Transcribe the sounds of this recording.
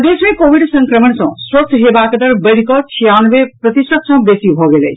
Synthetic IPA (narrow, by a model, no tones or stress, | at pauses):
d̪esmẽkobʱiɽsəŋkɾəməɳsʌ̃swət̪ʰɦebakd̪əɾbəɽ̤ikɔt͡ʃʰijanbepɾət̪isət̪sʌ̃besibʱɔɡelɛ̰